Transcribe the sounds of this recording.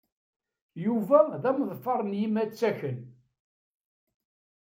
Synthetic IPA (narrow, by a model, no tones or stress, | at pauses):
juvæðæmðˤfɑɾˤənjimæt͡sːæçən